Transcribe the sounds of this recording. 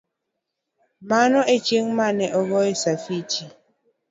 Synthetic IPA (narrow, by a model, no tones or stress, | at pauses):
manɔʔet͡ʃeŋmanɛʔɔɣɔesafit͡ʃi